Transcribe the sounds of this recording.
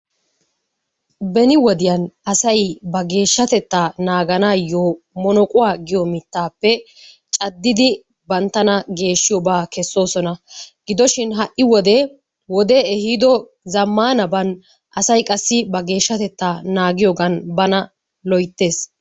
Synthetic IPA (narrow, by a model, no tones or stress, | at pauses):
bɛnɪwɔd̪ɪjɐnɐsɐjbɐɡe̞ːʃːɐt̪ɛt̪ːaːnaːɡɐnaːjoː | mɔnɔkʼʊwaːɡɪjɔmɪt̪ːaːpːɛ | t͡ʃʼɐd̪ːɪd̪ɪ | bɐnt̪ːɐnɐɡe̞ːʃːɪjɔbaːkɛsːo̞ːsɔnɐɡɪd̪ɔʃɪnɦɐʔʔːɪwɔd̪ɛ | wɔd̪ɛɛhid̪ɔ | zɐmːaːnɐbɐn | ɐsɐjkʼɐsːɪbɐɡe̞ːʃːɐt̪ɛt̪ːaːnaːɡɪjoɡɐnbɐnɐ | lɔjt̪ːe̞ːs